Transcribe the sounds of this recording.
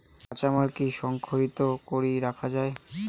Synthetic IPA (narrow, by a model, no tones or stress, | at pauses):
at͡ɕamaɾkiʃɔŋkʰoɾit̪okoɾiɾakʰad͡ʑae